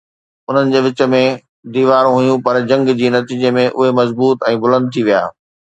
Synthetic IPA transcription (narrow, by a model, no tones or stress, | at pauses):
ʊn̤ənɪ̆d͡ʑeːʋɪt͡ɕə̆mẽ | d̪iːʋaːɾũɦujũpɐɾd͡ʑɐ̃ŋɡd͡ʑiːnɐt̪iːd͡ʑemẽʔʊɦemɐzbuːt̪ɛ̃ːbʊlə̃nd̪̚t̪ʰiʋija̰ː